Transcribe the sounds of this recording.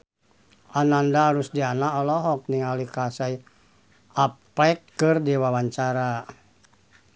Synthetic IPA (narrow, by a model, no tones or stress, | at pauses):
ʔanandaɦaɾusdianaɔlɔɦɔk̚niŋalikasaj | apɛkːɨrdiwawaɲt͡ʃaɾa